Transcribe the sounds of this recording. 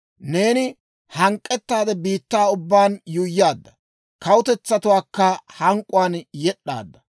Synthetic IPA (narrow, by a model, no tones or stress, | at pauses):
ne̞ːnɪ | hɐŋkʼːɛt̪ːaːd̪ɛbiːt̪ːaːʊbːaːnjʊjːaːd̪ːɐ | kɐwʊt̪ɛt͡sːɐt̪ʊwaːkːɐhɐŋkʼːʊwaːnjɛɗːa̰ːd̪ːɐ